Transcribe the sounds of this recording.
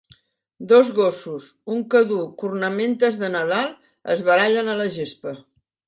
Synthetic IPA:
d̪ozɣosus | uŋkəðukurnəment̪əzðənəðalˠ | ə̰zβəɾaʎənələʒespə

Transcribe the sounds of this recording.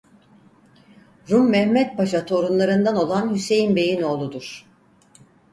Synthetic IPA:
ɾumːɛhmɛt̪̚baʃat̪ʰo̞ɾunlˠaɾɯnd̪ano̞lˠanhyse̞jinbe̞jino̞ːlˠud̪uɾ̥

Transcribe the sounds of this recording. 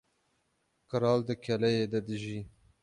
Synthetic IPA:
kɨɾɑːld̪ɨkʰɛlɛjeːd̪ɛd̪ɨʒiː

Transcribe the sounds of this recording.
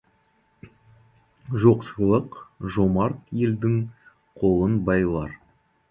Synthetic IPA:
ʒo̞qslˠəqʒomɑɾt̪je̞ld̪ɪŋ | qʰo̞lˠənbɑjlˠɑɾ

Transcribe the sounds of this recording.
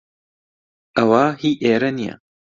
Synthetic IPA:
ɐwaːhiːʔeːɾɐnija̰

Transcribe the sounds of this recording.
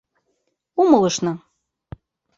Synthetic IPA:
umɤlˠɤ̆ʃnɤ̆

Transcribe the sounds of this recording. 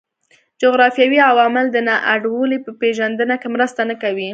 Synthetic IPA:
d͡ʒoɣɾɑfjɑwiawɑmɪld̪ənɑʔaɖwəlipəpeʒand̪ənakemɾəst̪anakawi

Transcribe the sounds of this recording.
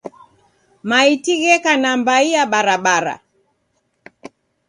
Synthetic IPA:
maitiɣɛkanambaiaɓaɾaɓaɾa̰

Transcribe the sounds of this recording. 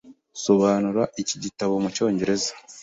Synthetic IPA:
so̞βaːnuɾaʔiciɟitaβo̞muco̞ːɲɟe̞ɾe̞zḁ

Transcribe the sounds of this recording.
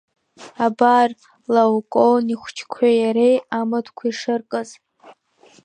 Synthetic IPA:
abar | lawkʼoniχʷt͡ʃʰkʷʰajaɾejamɨdʰkʷʰaiʂɨrkʼɨz

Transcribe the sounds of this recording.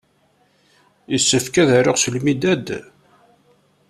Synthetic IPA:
jəsːəfkæðæɾʊʁslmid̪æd̪

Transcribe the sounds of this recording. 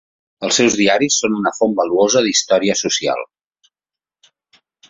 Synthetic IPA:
əlˠsɛwzðiaɾisːonunəfombəluozəðist̪ɔɾiəsusia̰lˠ

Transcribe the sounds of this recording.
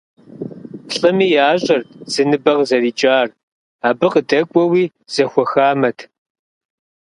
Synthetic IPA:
ɬʼɨmiːjaːɕʼɐrz̥ɨnɨbɐʁzɐriːt͡ʃʼaːr | aːbɨqədɐkʷʼɔwiː | z̥ɐxʷɔxaːmɐtʰ

